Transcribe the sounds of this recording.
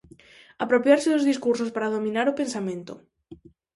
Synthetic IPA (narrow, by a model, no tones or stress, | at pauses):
apɾopjaɾsɪðʊzðiskuɾsospaɾað̞omĩnaɾopensamẽnt̪ʊ̰